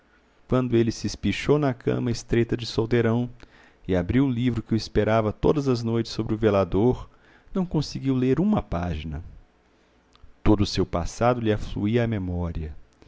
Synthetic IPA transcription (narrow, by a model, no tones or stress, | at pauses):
kwɐ̃nd̪ʊelɪsɪspiʃownɐkʰɐ̰̃mɐɪst̪ɾet̪ɐd͡ʒɪsowd̪eɾɐ̃w̃ | ɪabɾiwʊlivɾʊkɪʊɪspeɾavɐt̪o̰d̪ɐzɐznojt͡ʃɪ̥sːobɾɪʊvelad̪oɾ | nɐ̃w̃kõsɪɡiwleɾũmɐpaʒinɐ̰ | t̪od̪ʊːsewpa̰sad̪ʊlɪaflṵiɐːmemɔɾiɐ